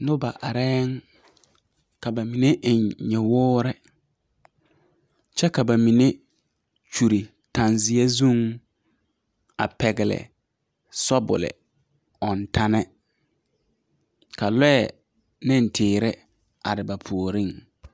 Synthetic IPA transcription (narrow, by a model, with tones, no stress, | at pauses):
nʊ˦ba˨ʔa˨ɾɛː˦ŋ | ka˨ba˨mi˨ne˦ʔɪ˨ɲɲɛ˨wʊː˦ɾɪ˦ | t͡ʃɛ˦ka˨ba˨mi˨ne˦ | t͡ʃu˨ɾi˨ | ta˨nzɪ˨a˦zu˦ŋ | a̰˨pɛ˨ɡɪ˨lɪ̰˨ | sɔ˦bʊ̰˨lɪ̰˨ | ɔ˨nta˦nɛ˦ | ka˨lɛ˦ɛ˨ | nɪ˦ntʰɪː˨ɾɪ˦ | a̰˨ɾɪ˨ba˨pʰu˨o˨ɾi˦ŋ